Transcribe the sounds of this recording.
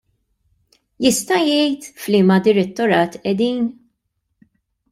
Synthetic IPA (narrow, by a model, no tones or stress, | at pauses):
jɪst̪ɐjɛjt̪fliːmɐd̪ɪɾɛt̪ːɔɾɐːt̪ʔɛd̪iːn